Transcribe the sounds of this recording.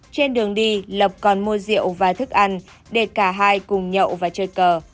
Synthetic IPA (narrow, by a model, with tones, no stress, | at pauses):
t͡ɕe˧nɗɨ˨˩əŋɗi˧lə˨˩p̚kɔ˨˩nmu˧əzḭ˧˨əwvaː˨˩t̪ʰɨ˦˥k̚ʔa˧jŋ | ɗe˧˩kaː˧˩ɦaː˧jkʊ˨˩ŋ͡mɲə̰˧˨wvaː˨˩t͡ɕəː˧˩jkəː˨˩